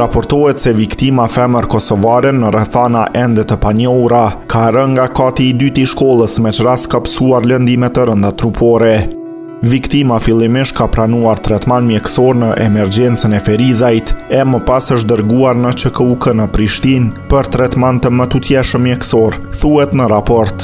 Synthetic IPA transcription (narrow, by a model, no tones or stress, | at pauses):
ɾapɔɾt̪ɔɛt̪sɛvikt̪imafɛməɾkɔsɔvaɾɛnəɾɛθanaʔɛnd̪ɛt̪əpaɲəuɾakaɾəŋɡakat̪iːd̪yt̪iʃkɔlˠəsmɛt͡ʃraskapə̥suaɾlənd̪imɛt̪ːəɾənd̪at̪ɾupʰɔɾɛ | vikt̪imafilˠimiʃt̪̚kapɾanuaɾt̪ɾɛt̪manmjɛksɔɾnəʔɛmɛɾd͡ʑɛnt͡sənɛfɛɾizajt̪ɛməpasəʃd̪əɾɡuaɾnət͡ʃəkəukənəpɾiʃt̪inpəɾt̪ɾɛt̪mant̪əmət̪ut̪jɛʃəmːjɛksɔɾθuɦɛt̪nəɾapɔɾt̪